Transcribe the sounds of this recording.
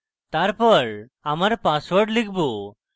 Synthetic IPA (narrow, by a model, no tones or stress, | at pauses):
t̪aɾpɔɾ | amaɾpaswɔɾɖlikʰbo